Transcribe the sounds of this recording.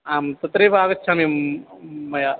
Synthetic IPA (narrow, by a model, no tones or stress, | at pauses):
aːmt̪ɐt̪ɾeːbʱaːɡɐt͡ʃːt͡ʃʰami | mɐja